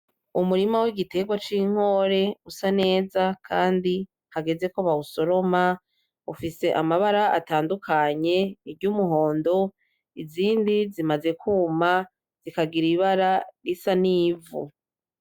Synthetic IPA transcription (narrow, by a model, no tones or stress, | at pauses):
umuɾimawiɡite̞ɡwat͡ʃiŋ̥o̞ːɾe̞usane̞ːzakʰaːndi | haɡe̞ze̞koβauso̞ɾo̞ma | ufise̞ʔamaβaɾaʔa̰taːndukʰaɲe̞ibɟumuɦo̞ːndo̞ | iziːndizimaze̞kuːma | z̥ikaɡiɾiβaɾaɾisaniːvṵ